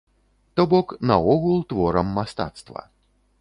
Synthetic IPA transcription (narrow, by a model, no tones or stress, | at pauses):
t̪ɔbɔknɐɔɣulˠt̪vɔɾɐmːast̪a̰t̪st̪vɐ̰